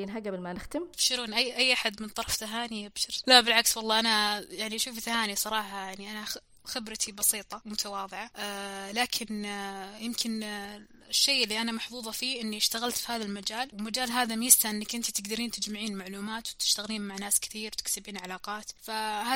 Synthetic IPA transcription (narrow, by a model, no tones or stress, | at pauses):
nɦaɡabɪlmanɪxt̪ɪmfʃɪɾuːnʔajːʔajːʔaħad̪mɪnt̪ˤɑɾˤɑft̪aɦaːnibʃɪɾlabɪlʕakswɑlˤːɑːʔanajaʕniʃuːfθhaːnisˤɑɾˤɑːħɑjaʕniʔana | xɪbɾat̪ibɑsiːt̪ˤɑmʊt̪ʰawɑːðˤɨʕaʔlaːkʰɪnjɪmkʰɪn | ɪʃːejːɪlːiʔanamɑħfuːðˤɑfiːʔɪnːiʃt̪aɣalt̪fihaːðalmad͡ʒaːlwɪmad͡ʒaːlɦaːðamjɪst̪aʔɪnːɪkʔɪnt̪it̪ɪɡd̪ɑɾiːnt̪ɪd͡ʒmaʕiːnmaʕluːmaːt̪wt̪ɪ̥ʃt̪aɣliːnmaʕnaːskɪ̥θiːɾwt̪ɪ̥ksɪbiːnʕalaːqɑːt̪fahaː